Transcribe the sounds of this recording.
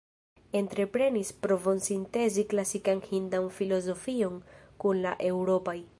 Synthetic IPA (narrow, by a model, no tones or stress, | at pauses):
e̞ntɾe̞pɾe̞nispɾo̞vo̞nsinte̞ziklasikanhindanfilo̞zo̞fio̞nkunlaʔe̞wɾo̞paj